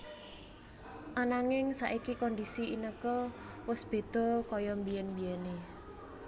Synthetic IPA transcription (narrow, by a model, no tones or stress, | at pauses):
ʔanaŋɪŋsaʔikikɔndisiʔinəkɔ | wʊsb̥e̤d̪̥ɔ̤kɔjɔmbijɛnbijɛne